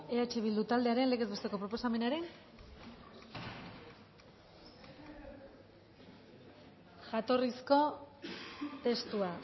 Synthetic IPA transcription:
e̞at͡ʃe̞β̞ild̪ut̪ald̪e̞aɾenle̞kezβest̪e̞ko̞pɾo̞po̞same̞naɾen | ʝat̪o̞risko̞ | t̪e̞st̪ua

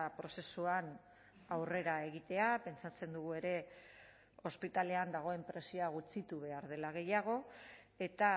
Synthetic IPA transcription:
pɾo̞se̞suan | awre̞ɾae̞ɣ̞it̪e̞ape̞nt͡sat͡se̞nd̪uɣ̞ue̞ɾe̞ | o̞spit̪ale̞and̪aɣ̞o̞e̞mpɾe̞sioaɣut͡sit̪uβe̞aɾðe̞laɣ̞e̞jaɣ̞o̞e̞t̪a

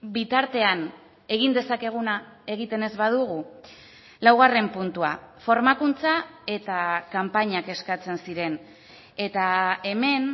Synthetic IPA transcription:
bit̪aɾt̪e̞an | e̞ɣ̞ind̪e̞sake̞ɣ̞una | e̞ɣ̞it̪e̞ne̞zβað̞uɣ̞u | lawɣare̞mpunt̪ua̰fo̞ɾmakunt͡sae̞t̪akampaɲake̞skat͡se̞nsiɾe̞n | e̞t̪ae̞me̞n

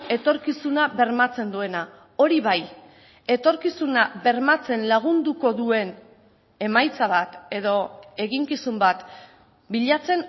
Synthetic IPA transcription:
e̞t̪o̞ɾkisunaβe̞ɾmat͡se̞nd̪ue̞na | o̞ɾiβ̞aj | e̞t̪o̞ɾkisunaβe̞ɾmat͡se̞nlaɣ̞und̪uko̞ðue̞n | e̞majt͡saβ̞at̪e̞ðo̞e̞ɣiŋkisumbat̪ | biʎat͡se̞n

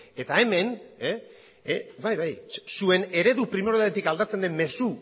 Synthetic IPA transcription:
e̞t̪ae̞me̞ne | βajβajsue̞ne̞ɾe̞ðupɾime̞ɾoaɾet̪ikald̪at͡se̞nd̪e̞mme̞su

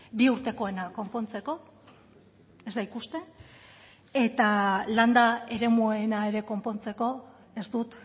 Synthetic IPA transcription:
biuɾt̪e̞ko̞e̞nako̞mpo̞nt͡se̞ko̞ | e̞zd̪aikust̪e̞ | e̞t̪aland̪ae̞ɾe̞muenae̞ɾe̞ko̞mpo̞nt͡se̞ko̞ | e̞st̪ut̪

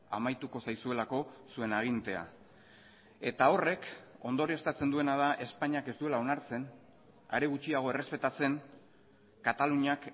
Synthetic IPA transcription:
a̰majt̪uko̞sajsue̞lako̞sue̞naɣ̞int̪e̞a̰ | e̞t̪ao̞re̞ko̞nd̪o̞ɾiest̪at͡se̞nd̪ue̞nað̞aʔe̞spaɲake̞zd̪ue̞lao̞naɾt͡se̞n | a̰ɾeɣut͡ʃiaɣ̞o̞e̞re̞spe̞t̪at͡se̞ŋ | kat̪aluɲak

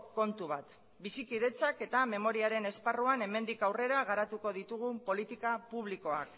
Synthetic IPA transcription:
ko̞nt̪uβ̞at̪ | bisikiðe̞t͡sake̞t̪ame̞mo̞ɾiaɾe̞ne̞sparuane̞me̞nd̪ikawre̞ɾaɣaɾat̪uko̞ðit̪uɣ̞umpo̞lit̪ikapuβ̞liko̞ak

